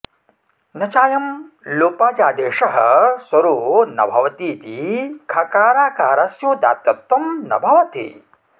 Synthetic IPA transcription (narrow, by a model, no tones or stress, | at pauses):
nɐt͡ʃaːjɐm | loːpaːd͡ʒaːd̪eːʂɐɦɐ̰sɐɾuːnɐ̰bʱɐʋɐt̪iːt̪ikʰɐkaːɾaːkaːɾaːsjoːd̪a̰ːt̪ːɐt̪ːɐmnɐ̰bʱɐʋɐt̪ḭ